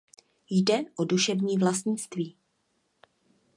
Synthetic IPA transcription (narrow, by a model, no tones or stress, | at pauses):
jdɛʔoduʃɛvɲiːvlast̪ɲɪt͡st̪viː